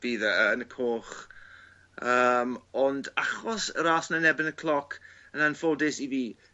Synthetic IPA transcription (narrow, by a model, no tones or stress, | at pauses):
v̥iːðəəənəkʰoːχ | əːmɔndaχɔsə̰ɾaːsnanɛbɪnəkʰlˠɔkʰənanfodɪsiviː